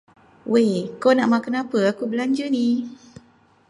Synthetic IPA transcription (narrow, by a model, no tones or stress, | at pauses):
wekonãmakənãpəakubəland͡ʒənĩ